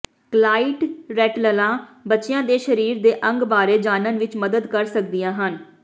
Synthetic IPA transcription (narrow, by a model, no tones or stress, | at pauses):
klaːiːʈɾɛːʈləlãːbətːʃɪjãːd̪eːʃəɾiːɾd̪eːʔə̃ŋɡbaːɾeːd͡ʒaːnənʋɪt͡ʃməd̪əd̪kəɾsək̚d̪ijãːɦən